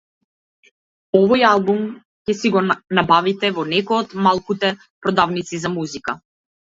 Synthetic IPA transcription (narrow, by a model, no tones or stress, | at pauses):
ɔvɔjalˠbum | cɛsiɡɔnabavit̪ɛvɔnɛkɔjɔt̪malˠkut̪ɛ | pɾɔd̪avnit̪sizamuzika